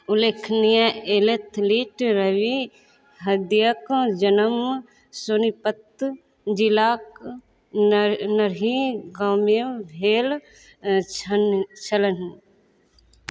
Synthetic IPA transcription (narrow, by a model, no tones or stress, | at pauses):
ʊleːkʰnijaelet̪ʰliːʈɾɐʋi | ɦɐd̪jəkd͡ʒɐnəm | sonipət̪ | d͡ʒilaːk | nɐɾiɡaːməbʱeːl | nt͡ʃʰɐlən